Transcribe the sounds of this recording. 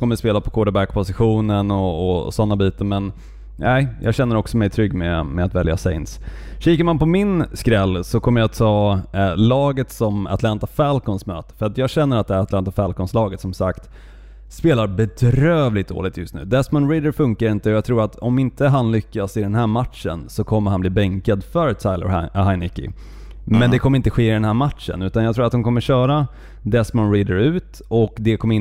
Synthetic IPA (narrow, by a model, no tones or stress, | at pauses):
kʰɔmːəspeːlapʰɔkʰoːɖ̪əbækpʰɔsɪɧuːnənɔɔ̰sɔnːabiːt̪əɾmɛn | æɪjʔɑ̰ːɡɕɛnːəɾɔksɔmɛjt̪ʰɾʏɡːmɛmɛat̪vɛlja̰sɛ̰ɪnsɕiːkəɾmanpɔmɪnskɾɛlːsɔkʰɔmːəjaat̪ʰːɑːlɑːɡət̪sɔma̰t̪ʰlant̪afɛlkɔnsmø̰ːt̪ə̥fœɾat̪jɑːɡɕɛnːəɾat̪d̪ɛæɾat̪lant̪afalkɔnslɑːɡət̪sɔmsakt̪ | speːlaɾbɛd̪ɾøːvlɪɡt̪̚d̪o̰ːlɪɡ̚t̪ʰjɵst̪nʉ̟ːd̪ɛsmɔnɾid̪əɾfɵŋkaɾɪnt̪əɔjɑɡt̪ʰɾuːɾat̪ʰɔmɪnt̪əɦanlʏkːasɪd̪ɛnɦæːɾmat̪ʂə̰nsɔkʰɔmːəɾhanbliːbɛŋkad̪fœɾt̪ʰaɪlə̰ɾhaɪnɪkːɪ̰ | mɛnd̪ɛkʰɔmːəɾɪnt̪əɧeːɪd̪ɛnhæːmat̪ʂə̰nʉ̟ːt̪anjɑɡ̚t̪ɾuːat̪hʊnkʰɔmːəɕœːɾa | d̪ɛsmɔnɾiːd̪əɾʉ̟ːt̪ | ɔkd̪ɛkʰɔmːəɪ